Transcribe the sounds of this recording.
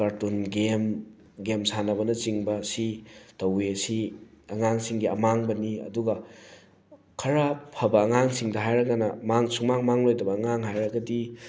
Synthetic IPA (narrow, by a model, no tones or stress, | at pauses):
kaɾtunɡem | ɡemsanɐβɐnɐt͡ʃiŋbɐsitɐwesiɐŋaŋsiŋɡiɐ̰maŋbɐniɐ̰duɡɐ | kʰɐɾɐpʰɐbɐːŋaŋsiŋdɐɦajɾɐɡanɐmaŋsumaŋmaŋlojdɐbɐːŋaŋɦajɾɐɡɐdi